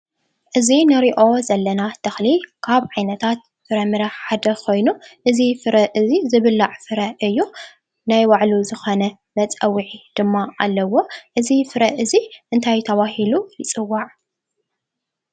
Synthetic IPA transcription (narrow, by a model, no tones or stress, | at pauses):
ʔɨzinɨɾiʔo̞zɐlːɐnad̪̥ɐxlikʰaβʕajnɐt̪ʰat̪̚ | fɨɾɐmɨɾɐħħad̪ɐkʰo̞jnuʔɨzifɨɾɐʔɨzizɨβɨlːaʕfɨɾɐʔɨjːu | najwaʕluzɨxo̞nɐ | mɐt͡sʼɐwiʕid̪̥ɨmːaʔalːɐwo̞ʔɨzifɨɾɐʔɨziʔɨnt̪ʰajt̪ʰɐβahilujɪt͡sʼɨwːaʕ